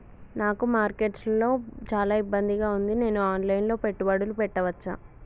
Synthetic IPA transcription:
naːkumaːɾkeːʈslɐlo̞ːt͡ʃaːlaːibːɐnd̪iɡaːund̪ine̞ːnuaːnlɐjnlo̞ːpeʈːubɐɽulupɛʈːɐʋɐt͡ʃːa̰ː

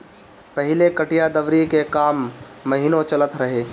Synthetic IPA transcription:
pɐɦɪlekɐʈijad̪ɐʋɾikekaːmː | ɐɦiːnõt͡ʃɐlət̪ɾɐɦeː

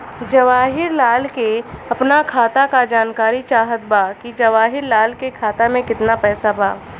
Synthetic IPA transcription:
d͡ʒɐʋaːɦɪɾlaːlkeɐpnakʰaːt̪akad͡ʒaːnkaːɾit͡ʃaːɦət̪̚baːkid͡ʒɐʋaːɦɪɾlaːlkekʰaːt̪amẽkɪt̪napɛːsaba̰ː

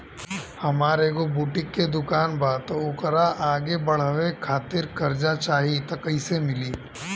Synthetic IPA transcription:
hɐmaːɾeɡobuːʈɪkːed̪ʊkaːnbat̪oʊkɾaʔaːɡebɐɽ̤ʋekʰaːt̪ɪɾkɐɾd͡ʒat͡ʃaːɦit̪ɐkəisemɪliː

